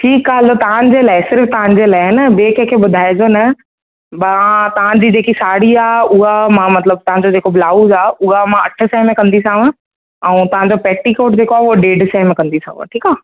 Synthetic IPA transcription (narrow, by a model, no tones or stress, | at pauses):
ʈʰiːkaɦlot̪ɐʋãd͡ʑelaːɪsɪɾft̪ɐʋ̤ãɲ̆d͡ʑelaːɪnɐbeːkekʰebʊd̪ʱaːed͡ʑoːnɐ | bãt̪ɐʋ̤ãd͡ʑiːd͡ʑeːkisaːɽiaːʊɦamãmɐt̪ləb̚t̪ɐɦãɲd͡ʑod͡ʑeːkoblaːuzaːʊɦamãɐʈʰə̆sɛːmẽkɐ̃nd̪isãːʋə̃ | ɛ̃ːt̪ɐʋ̤ãɲd͡ʑopɛːʈikoːʈd͡ʑeːkoaːɦoɖeːɖsaɦɪmẽkɐ̃nd̪isã̰ːʋə̰̃ʈʰiːkaː